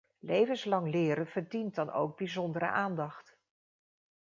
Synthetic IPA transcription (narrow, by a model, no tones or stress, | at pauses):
lejvənslɑŋlɪːɾənv̥əɹdint̚dɑno̰wɡ̚bizɔndəɾə̰ʔaːndɑχt